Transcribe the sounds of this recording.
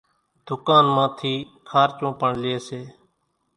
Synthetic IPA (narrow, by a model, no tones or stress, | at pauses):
d̪̥ʱʊkaːnmãːt̪ʰiː | kʰaːɾt͡ʃõːpəɳlɪeːseː